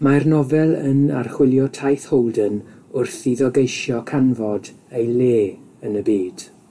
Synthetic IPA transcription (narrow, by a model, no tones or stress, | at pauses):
marnɔvɛlˠə̰na̰rχwɪlˠjɔtʰajθhowlˠdən | ʊrθiðɔɡejʃjɔkʰanvɔdejleː | ənəbiːd̥